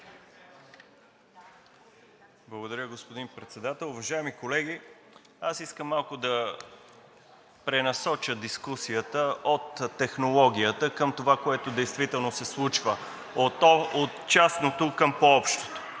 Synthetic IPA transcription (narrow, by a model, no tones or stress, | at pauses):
blˠəɡod̪ɐɾʲəɡospod̪inpɾɛt̪sɛd̪at̪ɛlˠʊvɐʒaɛmikolɛɡʲi | asiskəmːalˠkʊd̪ɐ | pɾɛnɐsɔt͡ʃəd̪iskusiət̪əʔot̪ːɛxnolˠɔɡʲiət̪əkəmt̪ovakoɛt̪od̪ɛjst̪vit̪ɛlˠnosɛslˠut͡ʃvə | ot̪t͡ʃasnot̪okəmpoɔpʃt̪o̥t̪o̥